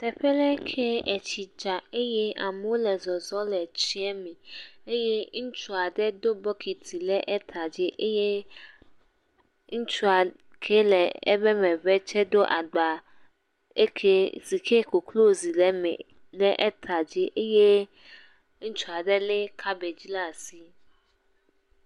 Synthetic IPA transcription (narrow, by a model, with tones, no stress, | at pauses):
t̪ɛ˨ɸɛ˦lɛ˦kʰe˦ɛ˨t͡ɕi˨d͡ʒa˨e˦jɛ˦a˨m˦wo˦lɛ˨zɔ˨zɔ˦lɛ˨t͡ɕi˦ɛ˦mĩ˨e˦je˦ŋ̩˦t͡ʃu˦a˨ɖɛ˦d̪o˦bɔ˦kʰi˨t̪ʰi˨lɛ˦ʔɛ˦t̪ʰa˨d͡ʑe˦ʔe˦je˦ | ŋ̩˦t͡ʃu˦a˨ | kʰe˦lɛ˨ɛ̰˦bɛ˦mɛ̃˨βɛ˦t͡ʃɛ˦d̪o˦ʔa˨ɡ͡ba˨ | ḛ˦kʰe˦zi˨kʰe˦ko˨klo˦zi˨lɛ˦mɛ̰˨ | lɛ˦ʔɛ˦t̪ʰa˨d͡ʑe˦ʔe˦je˦ | ŋ̩˦t͡ʃu˦a˨ɖɛ˦le˦kʰa˦be˨d͡ʑi˦la˦˨si˦